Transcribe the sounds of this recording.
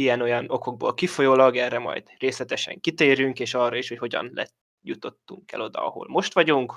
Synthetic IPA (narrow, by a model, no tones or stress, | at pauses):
ijɛno̞jɒno̞ko̞ɡ̚bo̰ːlkifo̞joːlɒɡɛrːɛmɒ̰jd̪̥reːslɛt̪ɛʃɛ̰ŋkit̪eːɾyŋkeːʃɒːrːɑiʃhocho̞ɟɒ̰nlɛ̰t | jut̪o̞t̪ːuŋkɛ̰lo̞d̪ɒ̰ɒ̰ho̰lmo̞ʃt̪ʋɒɟuŋk